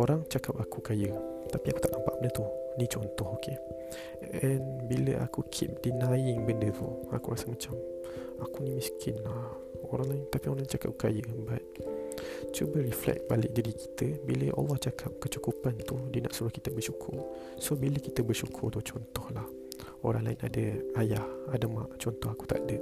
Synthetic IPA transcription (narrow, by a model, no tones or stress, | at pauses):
oɾaŋt͡ʃakap̚akukajə | t̪apiaku̥t̪aʔnampaʔbənət̪unit͡ʃɔnt̪ɔhokʰe | ɛnbilə̰ʔa̰kukʰḭp̚dinajɪŋbəndət̪ṵa̰kuɾasəmat͡ʃam | akunimĩskʰɪnlah | oɾaŋlaɪŋt̪apioɾaŋt͡ʃaka̰p̚kajəbat̪̚ | t͡ʃubəriflɛ̰k̚balɪk̚diɾiki̥t̪əbiləʔa̰lːɔht͡ʃakʰap̚kət͡ʃukupant̪udənaʔsuɾʊhkit̪əbərʃukʰʊ̰r | sobiləkit̪əbərʃukʰʊrt̪ut͡ʃɔnt̪ɔhlah | oɾaŋlaɪna̰dəajahadəma̰ʔt͡ʃɔnt̪ɔhaku̥t̪a̰ʔdə